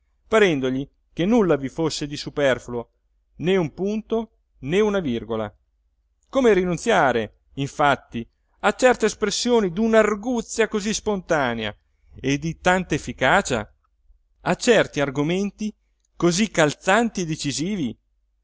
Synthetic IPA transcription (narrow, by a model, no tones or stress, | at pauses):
paɾɛnd̪oʎi | kenːulːavifosːed̪isupɛrfulo | neumpunt̪o | neunavirɡola̰ | koːmeɾinunt̪sjaːɾe | iɱfat̪ːi | at͡ʃɛrt̪eːspɾesːjoːnid̪unarɡut̪sːjakozispont̪aːnea̰ | ed̪it̪ant̪aefːikaːt͡ʃa̰ | at͡ʃɛrt̪iarɡoment̪i | kozikːalt̪sant̪ied̪ːet͡ʃiziːvi